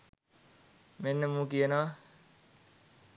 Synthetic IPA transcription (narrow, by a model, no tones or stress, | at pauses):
menːəmũːkijəna